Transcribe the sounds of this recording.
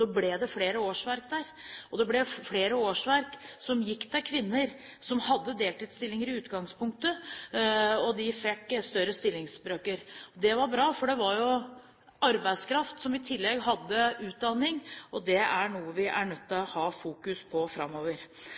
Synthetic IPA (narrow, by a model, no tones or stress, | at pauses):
ɔblɛd̪ɛfleːɾəoːʂʋæɾkd̪æɾɔd̪ɛblɛfleːɾəoːʂʋæɾksɔmjɪkːt̪ʰɛlkʰʋɪnːəɾ | sɔmhɑd̪ːəd̪eːlt̪iːd̪st̪ɪlːɪŋəɾɪʉːt̪ɡɑŋspʰʊŋk̚t̪ə | ɔd̪ɪfɛkːst̪œɾəst̪ɪlːɪŋsbɾøːkəɾɔd̪ɛʋɑɾbɾɑːfɔɖɛʋɑɾjʊ | ʔɑɾbæɪd̪skʰɾɑft̪sɔmɪt̪ʰɪlːɛɡɦɑd̪ːəʉːt̪̚d̪ɑnːɪŋɔd̪ɛæɳuːəʋɪʔæɳœt̪ːɪlɔhɑːfuːkʉspʰɔfɾɑ̰mːoːʋəɾ